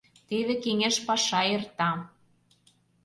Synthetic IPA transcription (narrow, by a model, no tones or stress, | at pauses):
t̪eβekeŋeʃpɑʃɑert̪ɑ